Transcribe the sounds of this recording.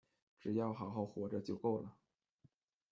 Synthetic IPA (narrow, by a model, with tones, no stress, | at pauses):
ʈ͡ʂɻ̩˨˩jɑ˥˩ʊxɑ˨˩ʊxɑ˥˩ʊxwɔ˧˥ʈ͡ʂə˧t͡ɕjo˥˧ʊko˥˩ʊlə˩